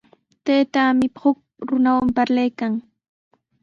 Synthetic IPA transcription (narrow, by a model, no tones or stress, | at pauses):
t̪ejt̪aːmɪhʊk̚ | ɾʊnawampaɾlajkaŋ